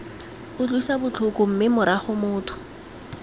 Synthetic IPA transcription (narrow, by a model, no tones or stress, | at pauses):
ʊt͡ɬʼʊisabʊt͡ɬʰʊkʼʊm̩mɪmʊɾaχʊmʊːtʰʊ̥